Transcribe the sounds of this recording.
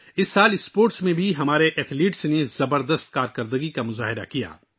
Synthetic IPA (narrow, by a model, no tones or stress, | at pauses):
ɪsːaːlɪspoːɾʈsmẽbʱiɦɐmaːɾeʔɛt̪ʰliːʈsnezɐbəɾd̪əst̪̚kaːɾkəɾd̪əɡikamʊza̰ːɦɪɾa̰kija̰ː